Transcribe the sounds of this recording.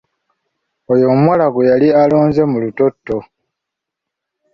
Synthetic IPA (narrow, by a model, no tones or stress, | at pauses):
ojo̞mwalaɡojalialoːnze̞muluto̞tːo̞